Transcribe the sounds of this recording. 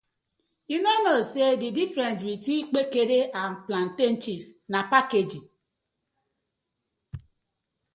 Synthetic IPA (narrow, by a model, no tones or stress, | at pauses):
inenosedidifɾentbit͡ʃik͡pekeɾeʔam̩plan̩ten̩t͡ʃisnapaked͡ʒi